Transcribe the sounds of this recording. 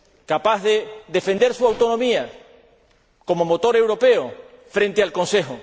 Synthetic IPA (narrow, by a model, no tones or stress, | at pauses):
kapaɦðeðe̞fe̞nd̪e̞ɾsuawt̪onõmia | ko̞momot̪o̞ɾe̞wɾo̞pe̞ofɾẽ̞nt̪ealkõ̞nse̞xo